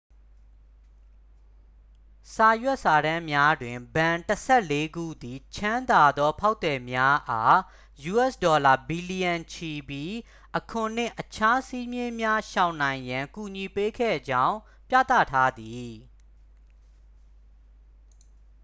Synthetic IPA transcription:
sa˨jwɛ˦ʔsa˨ɾã˦mja˦dwɪ̃˨mbã˨ntəsʰɛ˦˨le˦ɡṵ˦˨d̪i˨t͡ɕʰã˦nd̪a˨d̪ɔ˦pʰa˦ʊt̪ɛ˨mja˦ʔa˦ | ju˨ʔɛ˦˨sdɔ˨la˨bi˨li˨jə̃˨nt͡ɕʰi˨bji˦ | ʔəkʰʊ̃˨n̥ɪ̃˦˨ʔət͡ɕʰa˦si˦mjɪ̃˦mja˦ʃã˨ʊ̃nã˨ɪ̃jã˨ŋku˨ɲi˨pe˦kʰɛ̰˦˨d͡ʑã˦ʊ̃ | pja̰˦˨t̪ä̰˦˨tʰa˦d̪i˨

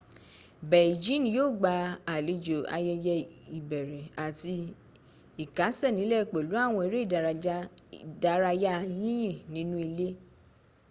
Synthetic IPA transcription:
bɛ˨d͡ʒĩ˨˦n˧joː˦˨ɡ͡ba˧a˨le˧d͡ʒo˨a̰˧jɛ˧jɛ˧i˨bɛ˨ɾɛ˨a˨ti˧ | i˨ka˨˦sɛ˦˨nĩ˨˦lɛ˦˨k͡pe˨lu˨˦a˦˨w̃ɔ̃˧i˧˦ɾe˦i˦˨da˨ɾda˧˦ɾa˧ja˦jĩ˦j̃ĩ˦˨nĩ˨˦nũ˦i˧le˦

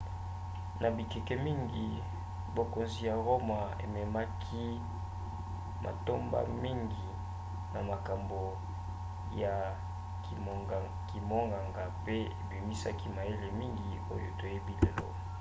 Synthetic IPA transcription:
na˨bi˨ke˨kɛ˨mi˦ŋɡi˨ | bo˨ko˨nzi˨ja˨ʁo˦ma˨ḛ˨mɛ˨ma˦kʰi˦ | mʔa̰˨to˦mba̰˦mi˦ŋɡi˨ | na˨ma˨ka˨mbo˨ | ja˨ | ki˨mo˦ŋɡa˨ŋɡa˨pe˦e˨bi˨mi˦sa̰˦ki˦ma˨je˦le˨mi˦ŋɡi˨o˦jo˨to˨je˦bi˦le˨lo̰˦

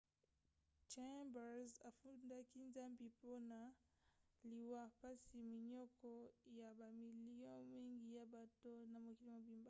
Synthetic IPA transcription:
t͡ʃe˦mba˨za˨fu˦nda˦ki˦nza˦mbi˨po˦na˨ | li˨wa˦pa˦si˨mi˨ɲɔ˦kɔ˦ja˨ba˨mi˨li˦ɔ̃˦mi˦ŋɡi˦ja˨ba˦to˦na˨mo˨ki˦li˦ma˨bi˦mba˨

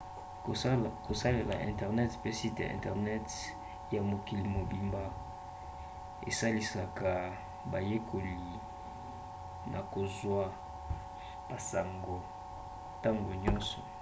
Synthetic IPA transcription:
ko˨sa˦le˨la̰˨ʔɛ̰̃˨ntɛ˨ʁnɛ˦tpe˦si˦ta̰˨ɛ̰̃˨ntɛ˨ʁnɛ˦t | ja˨mo˨ki˨li˨mo˨bi˨mba˨ | ḛ˨sa˦li˨sa˨ka˨ | ba˨je˦kʰo˨li˨ | nʔa˨ko˨zwa˦ | b̥a˨sa˨ŋɡo˨ | ta˦ŋɡo˨ɲɔ˦nsɔ̰˨

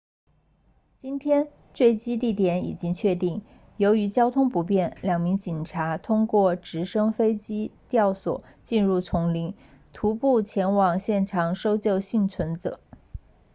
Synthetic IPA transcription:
t͡ɕi˥nt̪ʰjɛ˥n | t͡swe˥˩ɪt͡ɕi˥t̪̬i˥˩t̪̬jɛ˧˥nḭ˨˩t͡ɕi˥ŋt͡ɕʰɥɛ˥˧t̪i˥˩ŋ | jo˧˥ʊy˧˥t͡ɕjɑ˥ʊt̪ʰʊ˥ŋpu˧˥p̬jɛ˥˩nljɑ˨˩ŋmi˧˥ŋt͡ɕi˨˩nʈ͡ʂʰa˧˥t̪ʰʊ˥ŋkwɔ˥˩ʈ͡ʂɻ̩˧˥ʂɤ˥ŋfe˥ɪt͡ɕi˥t̪jɑ˥˩ʊswɔ̰˨˩˦ | t͡ɕi˥˧nɻu˥˩t͡sʰʊ˧˥ŋli˧˥ŋ | t̪ʰu˧˥pu˥˩t͡ɕʰjɛ˧˥nwɑ˨˩ŋɕjɛ˥˩nʈ͡ʂʰɑ˨˩ŋʂo˥ʊt͡ɕjo˥˧ʊɕi˥˩ŋt͡sʰwə˧˥nt͡sɤ˨˩˦

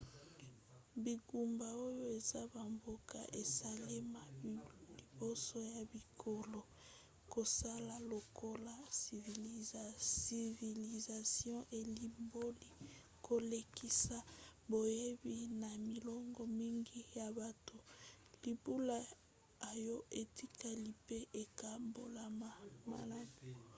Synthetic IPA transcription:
bi˨ɡu˨mba˨o˦jo˦e˨za˦ba˨mbo˦kʰa̰˨ʔe˨sa˨le˦ma˨li˨bo˦so˦ja˨bi˨kʰo˨lo˨ | ko˨sa˦la˨lo˨kʰo˦la˦i˨v | i˨vi˨li˨za˨sjɔ̃˦ʔe˨li˨mbo˦li˦ | kʰo˨le˨ki˦sa˨bo˨je˦bi˦na˨mi˨lɔ˦ŋɡɔ˨mi˦ŋɡi˦ja˨ba˨to˨ | li˨bu˦la˦ | a˨jo˦ʔe˨ti˦ka˨li˨pe˦ʔe˨ka˨mbo˨la˨ma˨ma̰˨la˦bu˨

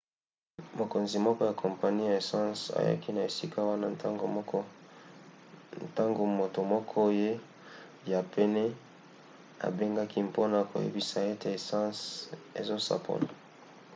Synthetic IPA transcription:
mo˨ko˨nzi˨mɔ˦kɔ˦ja˨kʰo˨mpa˨ni˦ja˨e˨sɑ̃˦sa̰˨ja̰˦ki˦na˨e˨si˦ka˦wa˦na˦ɡ | ta˦ŋɡo˨mo˨to˨mɔ˦kʰɔ˦je˦ | ja˨pe˦nɛ˦ | a̰˨be˦ŋɡa˦ki˦mpo˦na˨ko̰˨jḛ˦bi˦sa˨e˦te˨e˨sã˦sḛ˨zo˦sa̰˨pʰo̰˨la˨

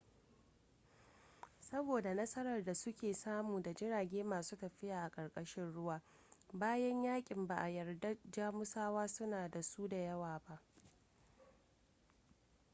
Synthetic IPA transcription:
sɐ˦boː˨da˨nɐ˦sɐ˦ɾɐ˨rda˨sʊ˦kʲeː˨saː˦muː˨da˨d͡ʒɪ˦ɽaː˨ɡʲeː˦maː˨suː˦tɐ˨ɸɪ˦jaː˨ʔa˨kʼɐ˨rkʼɐ˦ʃɪ˦nɽʊ˦waː˦ | baː˦jɐ˦ɲjaː˦kʲʼɪ˨mba˨ʔa˨jɐ˨rda˦d͡ʒaː˦mʊ˦saː˦waː˦sʊ˦naː˨da˨su˦da˨jɐ˦waː˨ba˦ʔ

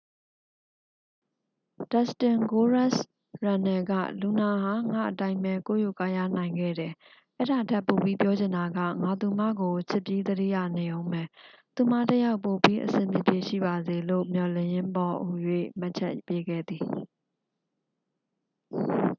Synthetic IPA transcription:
d̥a˦˨stɪ̃˨ŋɡo˦ɹa˦˨s | ɹã˨nɛ˨ɡa̰˦˨lu˨na˨ɦa˨ŋa̰˦˨ʔətã˦ɪ̃mbɛ˨ko̰˦˨ju˦˨ka˦˨ja̰˦˨nã˨ɪ̃ŋɡɛ̰˦˨ɾɛ˨ | ʔɛ˦ɾa˨tʰɛ˦˨pːo˨bi˦pjɔ˦d͡ʑɪ̃˨nda˨ɡä̰˦˨ŋa˨t̪u˨m̥ä̰˦˨ɡo˨t͡ɕʰɪ˦˨pji˦d̪əɾḭ˦˨ja˦˨ne˨ʔõ˦ʊ̃mɛ˨t̪u˨m̥a̰˦˨təja˦ʊpo˨pi˦ʔəsɪ̰̃˨mpjɪ̰˦˨pje˨ʃḭ˦˨ba˨ze˨lo̰˦˨mjɔ˨lɪ̰̃˦˨jɪ̃˦mbɔ˨ʔo˨jwḛ˦˨ma˦ʔt͡ɕʰɛ̰˦ʔpje˦ɡɛ̰˦˨d̪i˨

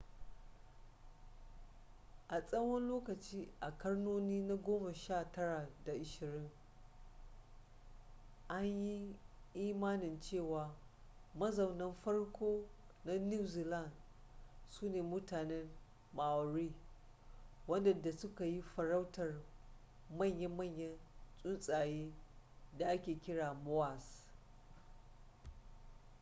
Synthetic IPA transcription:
ʔa˨sʼɐ˦wɔ˦nloː˦kɐ˨t͡ʃiː˦ʔa˨kɐ˦rnoː˦niː˦na˦ɡʷoː˦ma˨ʃaː˦˨tɐ˦ɽa˨da˨ʔɪ˨ʃɪ˨ɾɪ˦ŋ | ʔa˦ɲji˦ʔiː˦maː˦nɪ˨nt͡ʃeː˦˨waː˨mɐ˦zɐ˨wnɐ˦mɸɐ˦rkʷoː˦na˦ni˦zi˨la˦˨n | suː˦neː˨mʊ˦taː˨nɛ˦n | maː˨wɾiː˦ | wɐ˦ndɐ˨da˨sʊ˦ka˨ji˦ɸɐ˨ɾa˦wtɐ˨r | mɐ˦˨ɲjɐ˦mɐ˦˨ɲjɐ˦nsʼʊ˦nsʼaː˨jeː˦da˨ʔa˦kʲeː˨kʲɪ˦ɽaː˨mo˦wa˨s

